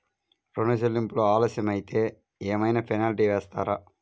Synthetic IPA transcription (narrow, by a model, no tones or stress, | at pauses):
ɾoɳɐʃ̬elːimplo̞ːaːloːsjɐmɐjit̪eː | eːmɐjnɐpʰɐjnaːliʈiʋɛːst̪aːɾa